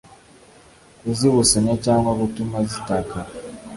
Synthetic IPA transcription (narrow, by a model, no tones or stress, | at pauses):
eziβusaɲat͡ʃaːŋakutumazitaka